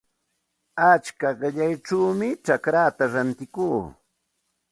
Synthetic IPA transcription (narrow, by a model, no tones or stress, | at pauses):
at͡ʃkaɢɪʎajʈ͡ʂawmɪʈ͡ʂakɾaːt̪aɾant̪ɪkuː